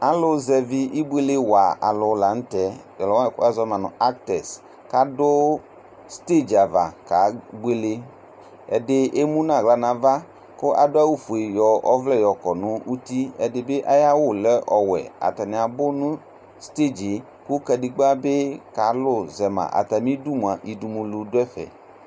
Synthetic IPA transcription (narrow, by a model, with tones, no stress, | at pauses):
a˨lʊ˦zɛ˨vɪ˦ʔi˦bʷe˦le˦wa˨a̰˨lʊ˨la˨˦ŋ̩˦tɛ˨ | ɔ˨lɔ˨˦˨ka˦zɔ˦mã˨nʊ̰̃˨a˦k̚tɛ˨s | ka˦dʊ˦ | st̪e˦˨d͡ʒa˨va̰˨ka˨˦ɡ͡bwe˦le˦ | ɛ˨dɪ˦ʔe˦mũ˦nã˨ɣla˨nã˨va˦ | kʊ˦ʔa̰˨dʊ˦a˦wu˦fo˨e˨jɔ˨ɔ˦vlɛ˦˨jɔ˨kɔ˨nʊ̃˦ʔu˦t̪i˦ɛ˨dɪ˨be˦ʔa˦ja˦wʊ˦˨lɛ˦ʔɔ˨wɛ̰˨a̰˨t̪a˨nɪ̃˨a˨bʊ˦nʊ̃˦ | st̪e˦˨d͡ʒe˨˦ | ku˦kɛ˨dɪ˨ɡ͡ba˦be˦ka˨˦lʊ˦zɛ˨mã̰˨ʔa̰˨t̪a˨mĩ˦du˦mũ˨a˨ʔi˨du˨mũ˨lu˨dʊ˦ɛ˦fɛ̰˨